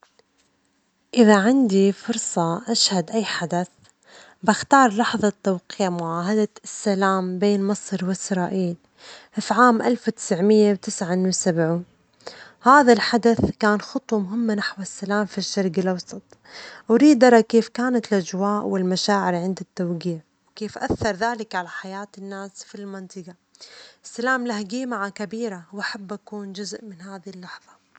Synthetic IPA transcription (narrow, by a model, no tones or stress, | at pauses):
ʔɪðaʕɪnd̪ifʊɾsˤɑʔaʃhad̪ʔajːħad̪aθ | baxt̪ɑːɾˤlɑħðˤɑt̪ːawqiːmʊʕaːɦad̪asːalaːmbeːnmɨsˤɾwɪsɾˤɑːʔiːl | fʕaːmʔalfwt̪ɪ̥sʕmɪjːawt̪ɪsʕanwɪsabʕuːn | haːðalħad̪aθkaːnxʊt̪ˤwɑmʊɦɪmːanaħwasːalaːmfiʃːɑɾˤɡɪlʔɑwsˤɑt̪ˤ | ʔʊɾiːd̪ʔɑɾˤɑkeːfkaːnat̪ɪlʔad͡ʒwaːʔwɪlmaʃaːʕɪɾʕɪnd̪ɪt̪ːawɡiːʕ | wkeːfʔa̰θːɑɾˤðaːlɪkʕalaħajaːt̪ɪnːaːsfilmɪnt̪ˤɨɡɑ | ʔɪsːalaːmlahɡiːmaʕakabiːɾawʔaħabːʔakuːnd͡ʒʊzʔmɪnhaːðilːɑħðˤɑ